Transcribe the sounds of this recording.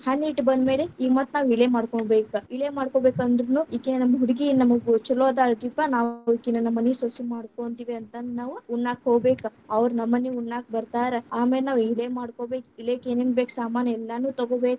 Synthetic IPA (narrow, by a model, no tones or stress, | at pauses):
hɐniːʈbɐnd̪me̞ːleiːɡmat̪ːnaːʋiɭeːmaːɽkoɳbeːkɐiɭeːmaːɽkoːbeːkɐnd̪ɾɐnːuikːennɐmɦuɽiɡinɐmɐɡut͡ʃuloːd̪aːʈɾipanaːʋikːinɐnɐmːɐnisosimaːɽkoɳt̪iːʋiɐnt̪ɐnnaːʋuuɳːaːkɦoːɡbeːkɐɐʋɐɾnɐmːɐniuɳːaːk̚bɐɾt̪aːɾeaːmeːlenaːʋiɭeːmaːɽkoːbeːkiɭeːkeːneːnbeːksaːmaːnjɐɛlːɐnuːt̪ɐɡoːbeːku